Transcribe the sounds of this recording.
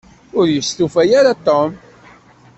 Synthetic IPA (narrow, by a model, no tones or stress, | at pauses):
ʊɾjəst̪ufæjaɾat̪om